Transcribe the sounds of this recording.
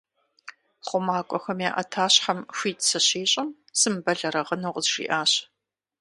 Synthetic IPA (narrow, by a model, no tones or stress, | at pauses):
χʷʊmaːkʷʼɔxɐmjaːʔɐ̰tʰaːɕħamɕʷiːtʰʼsɐɕiːɕʼɐm | sɨmbɐɮɐɾɐʁənoːqʼəzʒḭːʔaːɕ